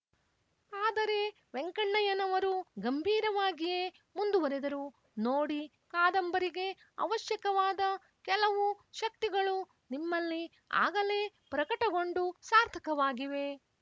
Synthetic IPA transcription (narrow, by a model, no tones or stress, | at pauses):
aːd̪ɐɾe̞ | ʋeŋkɐɳːɐjɐnɐʋɐɾuɡɐmbʱiːɾɐʋaːɡijeː | mund̪ubɐɾed̪ɐɾu | noːɽi | kaːd̪ɐmbɐɾiɡe̞ | ɐ̰ʋɐʃjɐkɐʋaːd̪ɐ | kɛlɐʋuʃɐk̚t̪iɡɐɭu | nimːɐlːi | a̰ːɡɐle̞ː | pɾɐkɐʈɐɡo̞ɳɖusaːɾt̪ʰɐkɐʋaːɡiʋe̞